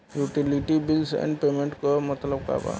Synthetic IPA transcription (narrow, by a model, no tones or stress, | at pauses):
juːʈɪlɪʈibɪlsɛ̰̃ɳɖpeːmẽɳʈkomɐt̪ləb̚ka̰ːba̰ː